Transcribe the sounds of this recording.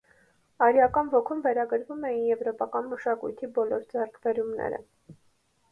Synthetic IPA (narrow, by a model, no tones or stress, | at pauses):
ɑɾjɑkɑnvɔkʰumvɛɾɑɡəɾvumɛjinjɛvɾɔpɑkɑnməʃɑkṵjt̪ʰibɔlɔɾd͡zɛrkʰbɛɾumnɛ̰ɾə̰